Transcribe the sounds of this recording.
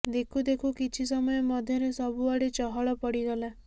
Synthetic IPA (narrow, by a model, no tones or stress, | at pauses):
d̪ekʰud̪ekʰukit͡ʃʰis̬ɔmɔjɔmɔd̪ʱjɔɾesɔbuaɽet͡ʃɔɦɔɭɔpɔɽiɡɔla